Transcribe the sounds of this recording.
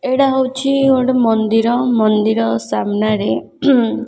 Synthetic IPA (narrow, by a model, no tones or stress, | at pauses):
eɽaɦowt͡ʃʰioɽɔmɔnd̪iɾɔmɔnd̪iɾɔsamnaɾe